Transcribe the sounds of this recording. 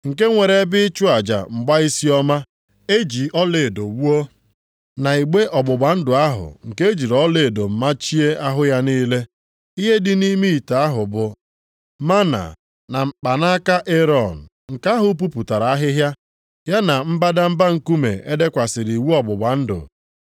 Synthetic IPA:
ŋ̩˨ke˦ŋʷe˨ɾe˨˦bɪ˦t͡ʃu˦a˨d͡ʒa̰˨ŋ͡m̩˨ɡ͡ba˦i˦si˦ɔ˦ma˦ | e˦d͡ʒi˨ɔ˦le˨do˨wu˦o˦ | na˨i˨ɡ͡be˦ʔɔ˨ɡ͡bʊ˨ɡ͡ba˨n̩˦dʊ˨a˦ɦʊ̰˨ŋ̩˨ke˦e˦d͡ʒi˨ɾɔ˦le˨do˨m̩˨ma˦t͡ʃi˦e˦a˦ɦʊ˦ja˦niː˦le˦ | i˦ɦe˦dɪ˦ni˦mi˦i˨ta˨a˦ɦʊ˨bʊ˨ | ma˦na̰˨ | na˨m̩˨k͡pa˨na˦ka˦ʔe˦ɾɔ˨n̩˨ | ŋ̩˨ka˦ɦʊ˨p̬u˦pu˨ta˨ɾa˨a˦ɦɪ˦ɦja˦ | ja˦na˨m̩˦ba˦da˦m̩˦ba˦ŋ̩˦ku˦mḛ˨ʔe˦de˦kʷa˨sɪ˨ɾi˨wu˦ɔ˨bʊ˨ɡ͡ba˨n̩˦dʊ̰˨

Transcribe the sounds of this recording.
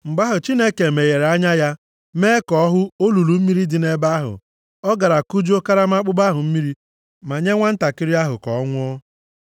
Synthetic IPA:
m̩˨ɡ͡ba˦ɦʊ˨t͡ʃi˦ne˦ke˨me˨ɣe˨ɾa˦ɲa˦ja˦ | meː˦kɔ˨˦ɦʊ˦o˦lu˨lu˨m̩˦mi˦ɾi˦dɪ˨ne˦ba˦ɦʊ̰˨ | ɔ˦ɡa˨ɾa˨ku˦d͡ʒo˦ka˦ɾa˦ma˦k͡pʊ˦ba˦ɦʊ˨m̩˦mi˦ɾi˦ | ma˨ɲe˦ŋʷa˦n̩˦ta˨kɪ˦ɾi˦a˦ɦʊ̰˨kɔ̰˨ɔ˦ŋʷʊ˦ɔ˦

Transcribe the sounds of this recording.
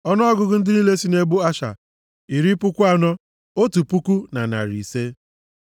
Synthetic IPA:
ɔ˦nɔ˦ɔ˦ɡʊ˦ɡʊ˦n̩˦dɪ˦ni˦le˦si˦ne˦bʊ˦a˦ʃa̰˨ | i˨ɾi˦pʊ˦kʷʊ˦a˦nɔ˦ | o˦tu˨pu˦ku˦na˨na̰˨ɾḭ˨se˦

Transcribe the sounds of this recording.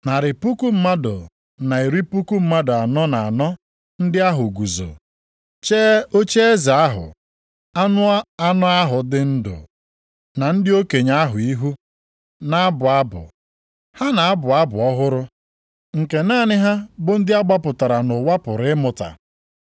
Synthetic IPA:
na˨ɾɪ˨pu˦ku˦m̩˦ma˦dʊ̰˨ | na˨i˨ɾi˦pu˦ku˦m̩˦ma˦dʊ˨a˨nɔ˦na˨a˨nɔ˦ | n̩˦dɪ˦a˦ɦʊ˨ɡu˨zo̰˨ | t͡ʃeː˦o˦t͡ʃe˦e˦za˨a˦ɦʊ̰˨ | a˦nʊ˦a˦nɔ˦a˦ɦʊ˨dɪ˦n̩˦dʊ̰˨ | na˨n̩˦dɪ˦o˦ke˨ɲa˦ɦʊ˨i˦ɦu˦ | na˨a˦bʊ˨a˦bʊ̰˨ | ha˦na˨a˦bʊ˨a˦bʊ̰˨ɔ˦ɦʊ˦ɾʊ˦ | ŋ̩˨ke˨naː˦˨nɪ˦ɦa˦bʊ˦n̩˦dɪ˦a˦ɡ͡ba˦pʊ˨ta˨ɾa˨nʊ˨wa˦pʊ˨ɾɪ˦mʊ˨ta̰˨

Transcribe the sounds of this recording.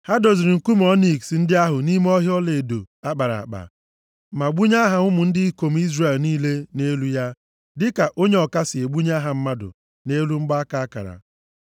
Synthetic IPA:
ha˦do˨zi˨ɾɪ˨ŋ̩˨ku˦m˦ɔ˦ni˨ksi˨n̩˦dɪ˦a˦ɦʊ˨ni˦m˦ɔ˦ɦjɔ˦le˨do̰˨ | a˦k͡pa˨ɾa̰˨a̰˨k͡pa̰˨ | ma˨ɡ͡bu˦ɲa˦ɦa˨ʊ˦mʊ˨n̩˦dɪ˦ko˨m̩˦i˦zre˨lniː˦le˦ne˦lu˦ja˦ | dɪ˦ka˨ʔo˦ɲe˦ɔ˨ka˦sɪ˨e˨ɡ͡bu˦ɲ˦a˦ɦa˨m̩˦ma˦dʊ̰˨ | ne˦lu˦ŋ͡m̩˦ɡ͡ba˦a˦ka˨a˦ka̰˨ɾa̰˨

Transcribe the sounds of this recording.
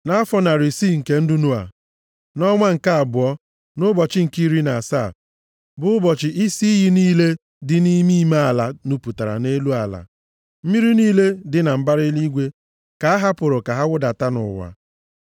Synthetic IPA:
na˦a˦fɔ˦na˨ɾi˨si˦˨ŋ̩˨ke˦n̩˦du˦nu˦a̰˨ | nɔ˦ŋʷa˦ŋ̩˨ka˦a˨bʊ˨ɔ˦ | nʊ˦bɔ˨t͡ʃɪ˦ŋ̩˨ki˦ɾi˦na˨sa˦˨ | bʊ˦ʊ˦bɔ˨t͡ʃɪ˨ʔi˦si˦ɦi˦niː˦le˦ | dɪ˨ni˦mi˦ma˦a˨la˨nu˦pu˨ta˨ɾa̰˨ne˦lu˦a˨la̰˨ | m̩˦mi˦ɾi˦niː˦le˦dɪ˨na˨m̩˦ba˦ɾɪ˦li˦ɡʷe˦ | ka˨a˦ɦa˦pʊ˨ɾʊ˨ka˨ɦa˦wʊ˦da˨ta˦nʊ̰˨wa̰˨

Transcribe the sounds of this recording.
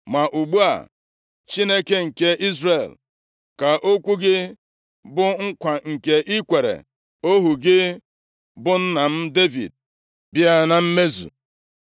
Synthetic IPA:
ma˨ʔu˨ɡ͡bu˦a̰˨ | t͡ʃi˦ne˦ke˦ŋ̩˨ke˦ʔi˦zre˨l | ka˨ʔo˦kʷu˦ɡɪ˦ | bʊ˦ŋ̩˦kʷa˨ŋ̩˨ke˨ʔi˦kʷe˨ɾḛ˨ | o˦ɦu˨ɡɪ˦ | bʊ˦n̩˦na˨m̩˦de˦vḭ˨d̚ | bi˦a˦na˨m̩˦me˦zṵ˨

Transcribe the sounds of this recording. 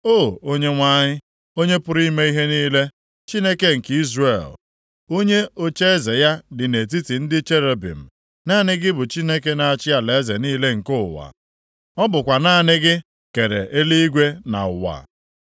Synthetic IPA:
o˦˨o˦ɲe˦ŋʷa˦ɲɪ˦ | o˦ɲe˦pʊ˦ɾi˦me˦i˦ɦe˦niː˦le˦ | t͡ʃi˦ne˦ke˦ŋ̩˨ki˦zre˨l | o˦ɲe˦o˦t͡ʃe˦e˦ze˨ja˦dɪ˨ne˨t̬i˦ti˨n̩˦dɪ˦t͡ʃe˦ɾe˨bḭ˨m̩˨ | na˦˨nɪ˦ɡɪ˦bʊ˨t͡ʃi˦ne˦ke˦na˨a˨t͡ʃɪ˦a˨le˨e˦ze˨niː˦le˦ŋ̩˨kʊ˦ʊ˨wa̰˨ | ɔ˦bʊ˨kʷa˨na˦˨nɪ˦ɡɪ˦ | ke˨ɾḛ˨ʔe˦li˦i˦ɡʷe˦na̰˨ʊ˨wa̰˨

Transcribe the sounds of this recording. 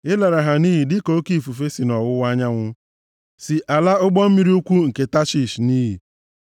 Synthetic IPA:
ɪ˦la˨ɾa˨ɦa˨ni˦ɦi˨dɪ˦ko˨˦ki˦˨fu˨fe˦si˨nɔ˨wʊ˦wa˦ɲa˦ŋʷʊ˦ | si˨ʔa˨la˦ʊ˦ɡ͡bɔ˦m̩˦mi˦ɾi˦u˦kʷu˦ŋ̩˨ke˨ta˦t͡ʃi˨ʃni˦ɦi˨

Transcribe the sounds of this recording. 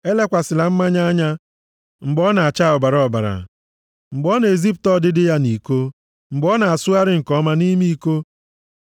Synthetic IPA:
e˦le˦kʷa˨sɪ˨la˨m̩˦ma˦ɲa˦a˦ɲa˦ | ŋ͡m̩˨ɡ͡bɔ˦na˨a˨t͡ʃa˦˨ʊ˨ba˨ɾɔ˨ba̰˨ɾa̰˨ | ŋ͡m̩˨ɡ͡bɔ˦n˨e˨zi˦p̬̚tɔ˦˨dɪ˦dɪ˦ja˦ni˨ko˦ | m̩˨ɡ͡bɔ˦na˨a˨sʊ˦a˦ɾɪ˦ŋ̩˨kɔ˦ma˦ni˦mi˦i˦˨ko˦

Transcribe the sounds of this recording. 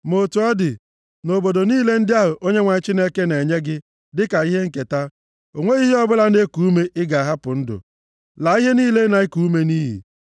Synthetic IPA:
mo˨tu˨ɔ˦dɪ˨ | no˨bo˨do˨niː˦le˦n̩˦dɪ˦a˦ɦʊ˨ʔo˦ɲe˦ŋʷa˨ɪ˦t͡ʃi˦ne˦ke˦ne˨ɲe˦ɡɪ˦ | dɪ˦ka˨i˦ɦe˦ŋ̩˦˨ke˨ta˦ | o˨ŋʷe˦i˦ɦi˦ɔ˦bʊ˦la˦ne˦ku˨u˦me˦ʔɪ˦ɡa˨a˨ɦa˦pʊ˨n̩˦dʊ̰˨ | la˨i˦ɦe˦niː˦le˦na˨i˦ku˦u˦me˦niː˦ɦḭ˨

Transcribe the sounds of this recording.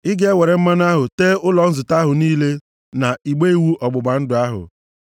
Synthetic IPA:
ɪ˦ɡe˦e˦we˨ɾe˨m̩˦ma˦n˦a˦ɦʊ˨teː˦ʊ˦lɔ˨n̩˦zʊ˨ta˦ɦʊ˨niː˦le˦ | na˨i˨ɡ͡be˦i˦wu˦ʔɔ˨ɡ͡bʊ˨ɡ͡ba˨n̩˦dʊ˨a˦ɦʊ̰˨

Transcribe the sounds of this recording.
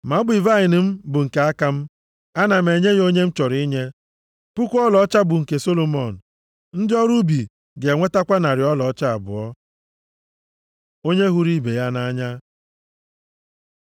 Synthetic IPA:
ma˨˦bi˨va˦ɪ˨nɪ˨m̩˦bʊ˨ŋ̩˨ke˨˦a˦ka˦m̩˦ | a˦na˨m̩e˨ɲe˦ɣo˦ɲe˦m̩˦t͡ʃɔ˨ɾi˦ɲe˦ | pʊ˦kʷu˦ɔ˦lɔ˦t͡ʃa˦bʊ˨ŋ̩˨ke˨so˦lo˨mɔ˨n̩˨ | n̩˦dɪ˦ɔ˦ɾu˦bi˨ | ɡe˨ŋʷe˦ta˦kʷa˦na˨ɾɪ˨˦ɔ˦lɔ˨ɔ˦t͡ʃa˦a˨bʊ̰˨ɔ˦ | o˦ɲe˦ɦu˦ɾi˦be˨ja˦na˦a˦ɲa˦

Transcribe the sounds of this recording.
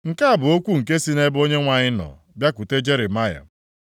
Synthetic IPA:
ŋ̩˨ka˦a˨bʊ˨o˦kʷu˦ŋ̩˨ke˦si˦ne˦bo˦ɲe˦ŋʷa˨ɲɪ˦nɔ̰˨ | bja˦ku˨te˦d͡ʒe˦ɾɪ˨ma˦ja̰˨

